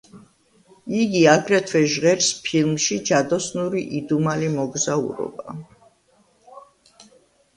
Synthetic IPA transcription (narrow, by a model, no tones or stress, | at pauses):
iɡiaɡɾɛt̪ʰvwɛʒʁɛɾspʰilˠmʃid͡ʒad̪ɔsnuɾiʔid̪umalimɔɡzaṵɾɔ̰ba